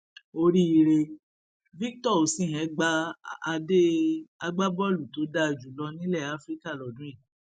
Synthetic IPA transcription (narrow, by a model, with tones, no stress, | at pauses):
o˧ɾi˦i˧ɾe˧ | vi˦k̚tɔ˦˨o˨sĩ˦˨ɦɛ̃˨˦ɡ͡ba˦a˧de˦a˧ɡ͡ba˦bɔ˦˨lu˨to˨˦da˦˨d͡ʒu˨lɔ˧nĩ˦lɛ˦˨a˨˦fɾi˦ka˦˨lɔ˨dũ˨˦i˦˨